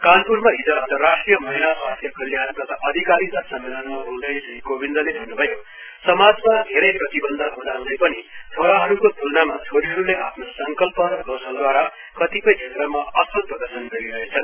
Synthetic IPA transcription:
kanpuɾmaɦid͡zʌʌnt̪ʌrːasʈrijʌmʌɦilasast̪ʰjʌkʌljant̪ʌt̪ʰaʔʌd̪ʱikaɾid̪ʌsʌmːelʌnmaɦold̪ʌjsʌikobind̪ʱʌlebʱʌnːubʱʌjo | sʌmad͡zmad̪ʱeɾʌjprʌt̪ibʌnd̪ʱaɦud̪awd̪ʌjpʌnit͡sʰoɾaɦʌɾukot̪ʰulnamat͡sʰoɾiɦʌɾuleʔa̰pʰnosʌŋkʌlpʌɾɡʌwsʌld̪waɾa | kʌt̪ipʌjt͡sʰet̪rʌmaʌsʌlprʌd̪ʌsʌnɡʌɾiɾʌɦet͡sʰʌn

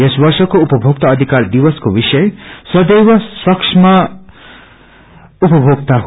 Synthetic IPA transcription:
esbʌrsʌkoupʌbʱoɡ̚t̪aʌd̪ʱikard̪iwʌskobisʌjsʌd̪ejwʌswʌksʰma | upʌbʱoɡ̚t̪aɦ

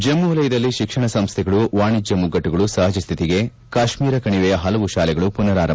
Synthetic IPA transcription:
d͡ʒemːulɐjid̪ɐlːiʃikʂɐɳɐsɐmst̪ʰɛɡɐɭuʋaːɳid͡ʒɐmːuɡːɐʈːuɡɐɭusɐɦɐd͡ʒɐst̪ʰit̪iɡe̞ | kaːʃmiːɾɐkɐɳiʋɛjɐɦɐlɐʋuʃaːlɛɡɐɭupunɐɾaːɾɐ

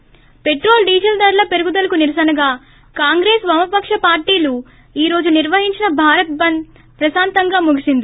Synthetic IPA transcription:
pe̞ʈɾo̞ːlɖiːd͡ʒɐld̪ɐɾlɐpe̞ɾuɡud̪ɐlɐkuniɾɐsɐnɐɡaː | kaːŋɡɾeːsʋɐmɐpɐkʂɐpaːɾʈiːlu | iːɾo̞ːd͡ʒuniɾʋɐɦiɲt͡ʃinɐbʱaːɾɐt̪̚bɐn | pɾɐsaːnt̪ɐŋɡaːmuɡisind̪i

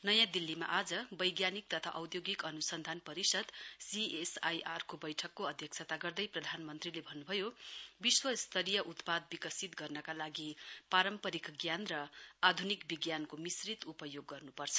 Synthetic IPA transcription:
nʌjãd̪ilːima̰ʔad͡zʌbʌjɡjanik̚t̪ʌt̪ʰaʔʌwt̪joɡikʌnusʌnd̪ʱanpʌɾisʌd̪siesajʔarkobʌjʈʰʌkːoʌd̪ʱjʌkt͡sʰat̪aɡʌrd̪ʌjprʌd̪ʱanmʌnt̪rilebʱʌnːubʱʌjobiswʌst̪ʰʌɾijʌʔut̪pad̪̚bikʌsit̪ɡʌrnʌkalaɡipaɾʌmpʌɾikɡjanrʌad̪ʱunikbiɡjankomisrit̪upʌjoɡːʌrnupʌrt͡sʰʌ̥

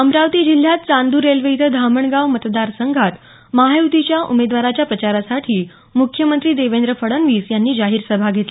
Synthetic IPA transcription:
əmɾaʋt̪iːd͡ʑil̤ːjat̪̚t͡sãnd̪uɾelʋejt̪ʰəd̪ʱaməɳɡaʋmət̪d̪aɾsəŋɡʱat̪ | maɦeʋt̪it͡ɕjaʔumed̪ʋaɾat͡ɕjapɾət͡ɕaɾasaʈʰiː | mukʰjəmənt̪ɾiːd̪eʋend̪ɾəfəɽənʋiːsjanːiːd͡ʑaɦiːɾsəbʱaɡʱet̪li

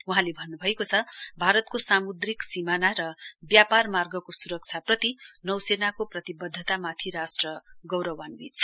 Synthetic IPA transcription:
uɦãlebʱʌnːubʱʌekot͡sʰʌbʱaɾʌt̪kosamud̪riksimanaɾʌbjaparmarɡʌkosuɾʌk̚t͡sʰaprʌt̪inʌwsenakoprʌt̪ibʌd̪ʱːʌt̪amat̪ʰiɾasʈrʌɡʌwɾʌwanbit͡s

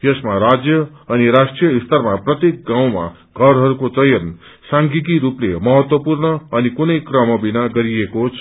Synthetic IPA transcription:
jʌsmaɾad͡zjʌ | ʌniɾasʈrijʌist̪ʌrmaprʌt̪ek̚ɡãw̃ma̰ | ɡʱʌɾɦʌɾukot͡sʌjʌn | saŋɡit̪iɾuplemʌɦʌt̪wʌpurnʌːnikunʌjkrʌmʌbinaɡʌɾiekot͡sʰ

